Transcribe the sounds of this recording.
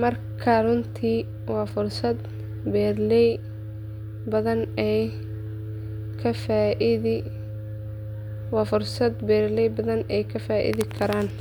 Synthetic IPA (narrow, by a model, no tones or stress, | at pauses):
mɐr | kʰɐrʊnt̪ʰiː | wɑːfʊrsɐd̪ | bɛːd̪lɛj | bɐðɐnɛj | kʰɐfaʔɪð | wɑːfʊrsɐd̪bɛːdlɛjbɐðɐnɛjkʰɐfaːʔɪ̰ðɪkʰɐɾaːn